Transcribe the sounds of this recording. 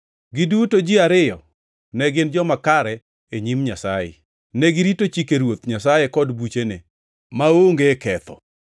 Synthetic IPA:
ɡɪdutod͡ʒiaɾɪjɔ | nɛɡɪnd͡ʒɔmakaɾɛ | eɲimɲasajḛ | nɛɡɪɾitot͡ʃikeɾwot̪ɲasajekɔdbut͡ʃene | maoŋɡekɛt̪ɔ̰

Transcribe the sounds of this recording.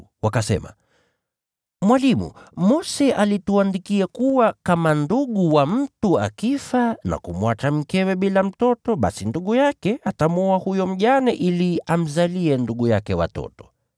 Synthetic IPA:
wakasɛ̰ma̰ | mwalimṵmɔsɛʔalituandikiakuwakamanduɠuwam̩tua̰kifana̰kumwat͡ʃam̩kɛwɛɓilam̩tɔtɔɓa̰sinduɠujakɛatamɔahujɔm̩ʄanɛʔiliam̩zaliɛnduɠujakɛwa̰tɔ̰tɔ̥

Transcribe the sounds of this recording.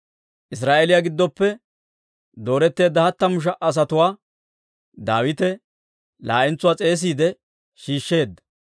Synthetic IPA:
ʔɪs̬ɾaːʔelɪjaɡɪd̪ːɔpːɛ | d̪o̞ːɾɛt̪ːe̞ːd̪ːɐhɐt̪ːɐmʊʃ̬ɐʔɐs̬ɐt̪ʊwaː | d̪aːwɪt̪ɛ | la̰ːʔɪnt͡sʊwaːt͡sʼe̞ːs̬iːd̪ɛ | ʃiːʃːe̞ːd̪ːɐ̥

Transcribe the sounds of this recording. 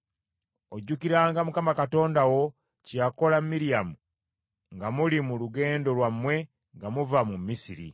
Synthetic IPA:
oɟːukiɾaːŋɡamukamakato̞ːndawo̞ | cako̞lamːiɾijamu | ŋɡamulimuluɡe̞ːndo̞lwamːwe̞ | ŋɡamuvamumisiɾḭ

